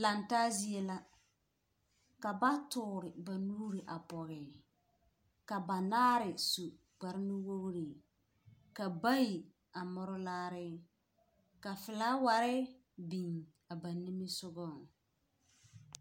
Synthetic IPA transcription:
la˨ntaː˦zi˦e˦la˦ | ka˨ba˦tʊː˨ɾɪ˨ba˨nuː˦ɾi˨ʔa˨pɔ˨ɣɛ˨ | ka˨ba˨naː˦ɾɪ˨su˨ | ɡ͡ba˨ɾɪ˦nɪ˦wo˦ɣɾi˨ | ka˨ba˦ji˨ | a˨mɔ˦ɾʊ˦laː˦ɾɪ˦ | ka˨fɪ˨la˦wa˨ɾɪ˦ | bi˨ŋ | a˨ba˨nːi˦mɪ˦sʊ˦ɡɔ˦˨

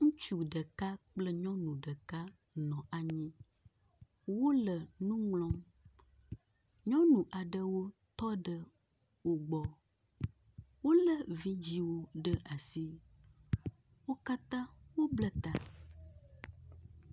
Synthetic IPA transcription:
ŋũ˦t͡ʃu˨ɖə˨ka˦k͡plə˦ɲɔ̃˦nũ˨ɖə˨ka˦ | nɔ̃˨ʔa˨ɲĩ˦ | wo˦lə˨nũ˦ŋlɔ̃˦m | ɲɔ̃˦nũ˨ʔa˨ɖə˦wo˦t̪ɔ˦ɖə˨ | wo˨ɡ͡bɔ˨ | wo˦lə˦vĩ˦d͡ʑi˦wo˦ɖə˦ʔa˨si˦ | wo˦ka˦t̪ã˦wo˦blə˦t̪a˨

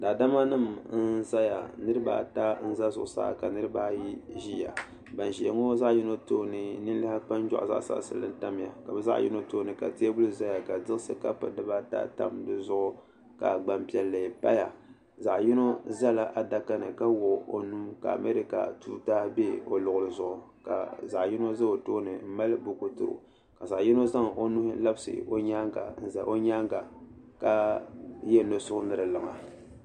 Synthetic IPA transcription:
daː˨da˦ma˦nɨ˦mn̩˦za˦ja˨nɨ˦ɾɨ˦ba̰ː˦ta˦n̩˦za˦zʊ̰˨ʔʊ˨sa̰ː˦˨ka˨nɨ˦ɾɨ˦baː˦ji˦ʒi˦ja̰˨ | ba˨nʒi˨ŋo˦za˦ʔji˦no˦toː˦nɨ˨nɨ˦n˦la˦ha˦k͡pa˦n˦d͡ʒa̰˦ʔza̰˦ʔsa̰˦ʔsɨ̰˨lːɨ̰˦n˦ta˦m˨ja̰˨ka˨bɛ˦za̰˦ʔjḭ˦no˦toː˦˨nɨ˨ka̰˨ti˦a˦bu˦lɨ˦za˦ja˨ka˨dɨ˦ɣsɨ˦ka˦pɨ̰˨dɨ˦ba˦ta̰˦ta̰˦mdɨ˨zʊ˦ʔʊ˦ | ka˨ɡ͡ba˦mpi˦ɛ˨lːa˨pa̰˦ja˨ | za˨ʔji˦no˦za˦la˦ʔa˨da˦ka˦nɨ˨ka˦wo˨o̰˨nu˦mka̰˨a̰˨me˦ɾi˦ka̰˨tu˦taː˦hbe˦o˨lʊ˨ɣʊ˨lɨ˨zʊ˨ʔʊ˨ | ka̰˨za˨ʔji˦no˦za˦o˨toː˦nɨ˨m̩˦ma˦lɨ˦bʊ˨ku˨tɨ̰˦ɾʊ̰˨ | ka˨za˨ʔji˦no˦za˦ŋ˨o˦nu˦hla˦bsɨ̰˨o̰˦ɲaː˦ŋɡa̰˨n̩˨za̰˨ʔo˦ɲa˦ŋɡa˨ka˦jɛ˦no˨sʊ˦ʊ˦nɨ˨ɾɨ˨lɨ˨ŋa˨

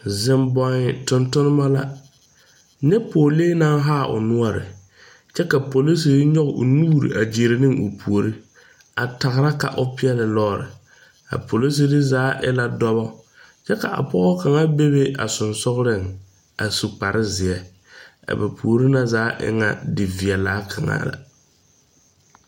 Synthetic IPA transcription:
zɪ˦mbɔ˦ŋɪ˦tʊ˨ntʊ˦nɪ˦ma˦la˦ | ɲɛ˦poː˨leː˦na˦ŋɦaː˦˨ʔʊ̰˨nʊ˦ɔ˦ɾɪ̰˨ | t͡ʃɛ˦ka˨po˨li˦si˨ɾɪ˦ɲɔ˦ɣʔʊ̰˨nuː˦ɾḭ˨ʔa˨d͡ʒe˨ɾe˨nɪ˦ŋʊ˨pʰu˨o˨ɾi˦ | a˨ta˨ɣɾa˦ka̰˨ʔʊ˦pɪ˦ɛ˦lɪ˨lɔː˦˨ɾɪ̰˨ | a̰˨pʰo˨li˦s̬i˨dɪ˦zaː˨˦ʔɪ̰˦la˦dɔ˦βɔ˦ | t͡ʃɛ˦ka˨ʔa̰˨pɔ˦ɣɔ˦ka˨ŋa˦be˦be˦a̰˨sʊ˨nsʊ˦ɣɾɪ˦˨ŋ | a˨su˨k͡pa˨ɾʔɪ˦zɪ˨ɛ˦ | a̰˨bɛ˨pʰu˨o˨ɾi˦na˦zaː˨˦ʔɪ̰˦ŋa̰˦dɪ˨vi˨ɛ˨laː˦kʰa˨ŋa̰˦la̰˨

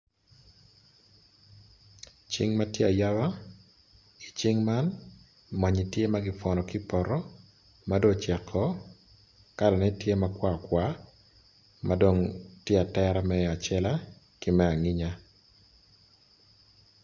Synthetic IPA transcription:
t͡ʃɪ˦ŋma˦tje˦a˨ja˦wa˦ | i˨t͡ʃɪ˦ŋma˦n | ma˨ɲi˨tje˦maɡɪ˦fɔnɔ˨kɪ˦pɔ˨ɾɔ˦ | mado˦t͡ʃɛ˨kʰːɔ | ka˦dɔ˨nɛ˦tje˦makwa˦kwʷa˦ | mado˨ŋtje˦a˨tɛɾamɛ˦a˨t͡ʃɛ˦la˦ | kɪ˦mɛ˦a˨ŋɪ˦ɲa˦

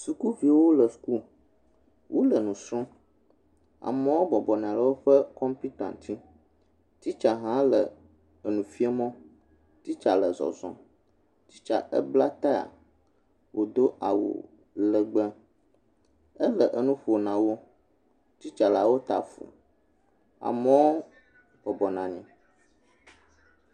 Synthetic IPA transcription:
su˨ku˦vi˨wo˦lə˨su̥˨ku˦ | wʔo˦lə˨nũ˨sɾɔ̃˦ | a̰˨mə̃˦wo˦bɔ˨bɔ˨nɛ̃˨ã˨lə˨wo˦ɸə˦kɔ˦mpi˦t̪ã̰˨nt̪ʰi˦ | t̪i˦t͡ʃa˨ɦã˦lə˨ | ə˨nũ˨fi˦ə˦mɔ̃˦ | t̪i˦t͡ʃa˨lə˨zɔ̰˨zɔ̰̃˦ | t̪i˦t͡ʃa̰˨ʔə̰˦bla˦t̪a˦a̰˨ | wo˨d̪o˦a˨wo̰˨ | lə˨ɡ͡bə˦ | ə˦lə˨ʔə˦nũ˦ɸo˨nã˨wo˦ | t̪i˦t͡ʃa˨la˨wo˦t̪a˨fṵ˨ | a̰˨mə˨wo˦ | b̥ɔ˨bɔ˨nã˨ɲɛ̃˨

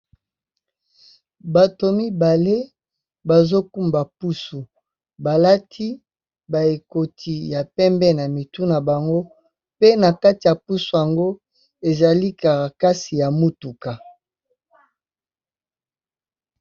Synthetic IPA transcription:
ba˨to˨mi˦ba˨le˦ | ba˨zo˦ku˦mba˨pu˦su˨ | ba˨la˦tʰi˦ | ba˨e˨ko˨tʰi˨ja˨pɛ˦mbɛ˦na˨mi˨tu˦na˨ba˨ŋɡo˦ | pe˦na˨ka˦ti˨ja˨pu˦su˨ja˨ŋɡo˦ | e˨za˨li˦ka˨ʁa˨ka˦si˨ja˨mu˦tu˨ka˨

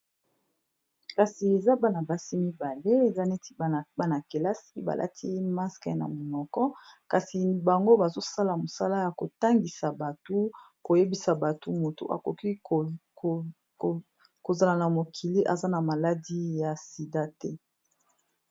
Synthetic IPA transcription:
ka˨si˨e˨za˦ba˦na˨ba˨si˦mi˦ba˨le˦e˨za˦ne˦ti̥˦˨ba˦na˨ke˨la˦si˦ba̰˨lʔa̰˦tʰi˦ma˦ska˨˦na̰˨mo˨nɔ˨kɔ˦ka˨si˨ba˨ŋɡo˦ba˨zo˦sa˦la˨mo˨sa˦la˦ja˨ko˨ta˦ŋɡi˨sa˨ba˨to˦ | ko˨je˦bi˨sa˨ba˨tu˦mo˨to̰˨ʔa̰˨ko˨ki˦˨ | ko˨za˨la˨na˨mo˨kʰi˨li˦ʔa˨za˦na˨ma˨la˦di˦ja˨si˨da˦tɛ˦

